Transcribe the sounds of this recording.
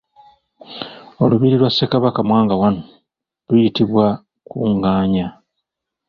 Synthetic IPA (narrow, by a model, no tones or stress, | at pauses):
o̞luβiɾilwasːekaβakamwaːŋɡawano | lwujitiβwa | kuːŋɡaːɲa